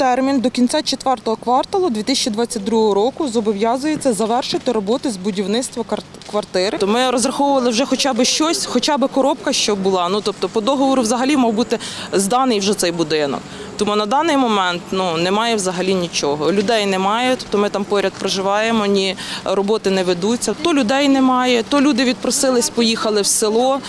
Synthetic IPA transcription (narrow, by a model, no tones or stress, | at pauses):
t̪ɛrmʲind̪ɔkʲint͡sʲɑt͡ʃet̪ʋɛrt̪ɔɦɔkʋɑrt̪ɐlˠɐd̪ʋʲit̪ɪsʲɛt͡ʃid̪ʋɑt͡sʲːɐt̚ʲd̪ɾuɦɔɦɔɾɔkʊzɔbɔʋʲjɑzʊjet͡sʲːɐzɐʋɛrʃɪt̪ɪɾɔbɔt̪ɪzbʊdʲiwnɪt̪st̪ʋɐ | kʋɐrt̪ɪɾɪt̪ɔmɪɾɔzrɐxɔwʊʋɐlˠɪwʒɛxɔt͡ʃɑbɪʃt͡ʃɔsʲxɔt͡ʃɑbɪkɔɾɔpkɐʃt͡ʃɔbʊlˠɑnut̪ɔp̚t̪ɔpɔd̪ɔɦɔʋɔɾʊwzɐɦɐlʲimɐwbut̪ɪzd̪ɑnɪjwʒɛt̪sɛjbʊd̪ɪnɔ̰k | t̪ɔmunɐd̪ɑnɪjmɔmɛnt̪nunɛmɑjɛwzɐɦɐlʲinʲit͡ʃɔɦɔlʲʊd̪ɛjnɛmɑjɛt̪ɔ̥p̚t̪ɔmɪt̪ɑmpɔɾʲɐd̪̚pɾɔʒɪʋɑjemɔnʲiɾɔbɔt̪ɪnɛʋed̪ut͡sʲːɐt̪ɔlʲʊd̪ɛjnɛmɑjɛt̪ɔlʲud̪ɪʋʲid̪̚pɾɔsɪlˠɪsʲpɔjixɐlˠɪwselˠɔ